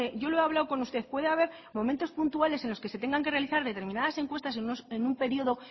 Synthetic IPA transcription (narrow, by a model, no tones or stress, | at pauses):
eʝo̞loeaβlawko̞nust̪e̞θpwe̞ðeaβ̞e̞ɾ | mõ̞ment̪o̞spunt̪uale̞se̞nlo̞ske̞se̞t̪e̞ŋɡaŋke̞re̞aliθaɾðe̞t̪e̞ɾmĩnaðase̞ŋkwe̞st̪aseosenumpe̞ɾio̞ðo̞